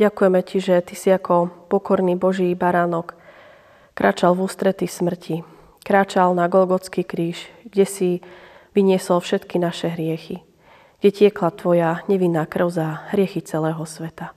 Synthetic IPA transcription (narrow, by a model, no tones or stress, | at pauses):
ɟakujɛmɛciʒɛt̪isiakʰɔpɔkɔɾniːbɔʒibaɾaːnɔkː | ɾʔa̰ːt͡ʃalvuːst̪ɾɛt̪ismr̩cʰi | kɾaːt͡ʃalnaɡɔlɡɔt͡skikɾiːʃɡɟɛsiʋiɲɪɛsɔlfʃɛt̪kinaʃɛɦɾɪɛxi | ɡ̥ɟɛcɪɛklat̪ʋɔjaɲɛʋinːaːkr̩ʊzaɦɾɪɛxit͡sɛlɛːɦɔsʋɛt̪a